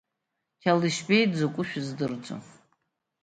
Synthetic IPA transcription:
kʲʰaliʃbejd͡zokʷʼʊʃᶣʊzdɨrd͡zʷo̰

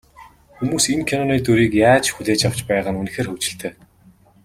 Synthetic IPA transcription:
xumuːsimkʰenɔniːt̪uɾiːkjaːt͡ɕxuɮeːt͡ɕaw̥t͡ɕpæːʁə̆nun̆xeːrxɵwt͡ɕɪ̆ɬt̪ʰeː

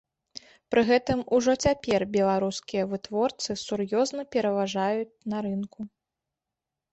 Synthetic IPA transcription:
pɾɨɣɛt̪ɨmuʐɔt͡sʲapʲɛrbʲɛlˠaɾuskʲijɐvɨt̪vɔrt̪sɨsurjɔznɐpʲɛɾɐvaʐajut͡sʲnɐɾɨnku

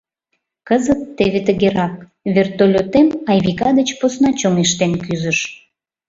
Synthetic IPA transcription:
kəzət̪ːeβet̪əɣeɾɑk̚ | βert̪olʲot̪emɑjβikɑd̪ət͡ɕposnɑt͡ɕoŋeʃt̪enkyzəʃ

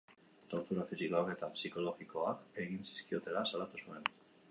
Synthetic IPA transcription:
t̪o̞ɾt̪uɾafisikoake̞t̪apsiko̞lo̞ɣiko̞ake̞ɣinsi̥skio̞t̪e̞lasalat̪usue̞n

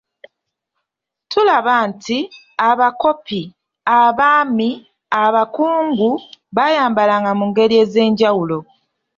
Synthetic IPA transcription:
tulaβantʰi | aβako̞pi | aβaːmi | aβakuːŋɡuβajaːmbalaŋɡamuŋɡe̞ɾie̞ːze̞ːɲɟawulo̞

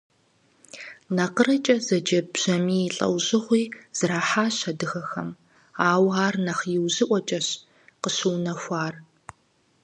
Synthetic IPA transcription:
nɐqərɐt͡ʃʼɐzɐd͡ʒɐbʑ̥ɐmiːɬʼɐ̰wʑɪʁʷiːz̥ɨɾaːħaːɕɐdɨxɐxɐ̰m | aːwaːrnɐχjɪwʑɨʔʷɔt͡ʃʼɐɕ | qəɕuwnɐxʷaːr

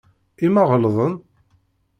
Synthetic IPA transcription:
imæʁəlðˤən

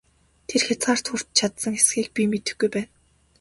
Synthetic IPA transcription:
t̪ʰerxʲat͡sɢaːr̥t̪xur̥t̪̚t͡ɕʰat̪sə̆ŋxesxiːk̚pʲimet̪ɘ̆xɡujpæːn

